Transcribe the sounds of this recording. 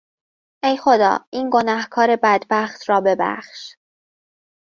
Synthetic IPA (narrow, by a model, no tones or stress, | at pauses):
ʔe̞jxo̞d̪ɒ̰ːʔiːnɡo̞næhkʰɒːɾe̞bæd̪bæxt̪ʰɾɒːbe̞bæ̰χʃ